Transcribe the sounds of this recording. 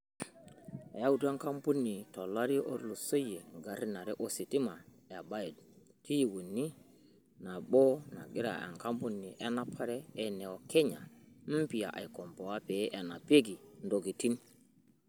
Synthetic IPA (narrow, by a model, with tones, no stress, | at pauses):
a˨ja˦wu˦ti˦a˦ŋka˦mpu˦nːi˨to˨la˦ɾi˦ʔo̰˦ɾlu˨sə˦je˨ɡa˨ɾi˦na˨ɾɛ˦ʔo˦si˨ti˦ma˨ | ja˨ba˦je˨d̚ | ti˦ji˨wu˨nːi˦ | na˨bo˦na̰˨ɡi˦ɾa̰˨a̰˨ŋka˦mpu˦nːi˨ʔe˦na˦pʰa˦ɾeː˦ne˨o˨kʰe˦ɲa˨m̩˦pi˨ja˨ʔa̰˨jko˨mpo˨wa˦pe˨˦ʔa˨na˨pe˦ɡi˨ndo˨ɡi˨ti˦n